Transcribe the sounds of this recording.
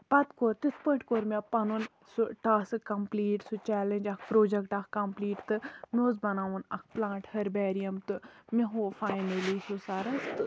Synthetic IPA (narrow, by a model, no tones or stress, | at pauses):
pɐt̪koɾt̪it̪ʰpõɳʈkoːɾmʲepɐnun | suʈaːsɨkɐmpliːʈsut͡ʃɛːlend͡ʒɐkʰpɾoːd͡ʒekʈɐkkɐmpliːʈt̪ɨmʲoːzbɐnaːʋunɐk̚ʰplãːɳʈhɐɾbɛːɾijɐmt̪ɨmeɦofaːjnɐlisusaːɾɐst̪ɨ